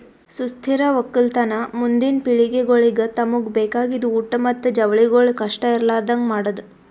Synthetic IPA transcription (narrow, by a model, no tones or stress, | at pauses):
sust̪ʰiɾɐʋɐkːilt̪ɐnɐmund̪inpiɭiɡeɡoɭiɡɐt̪ɐmuɡbeːkaːɡid̪uuːʈɐmɐt̪ːud͡ʒɐʋɐɭiɡoɭkɐʂʈɐiɾlaːɾd̪ɐŋɡmaːɽɐd̪u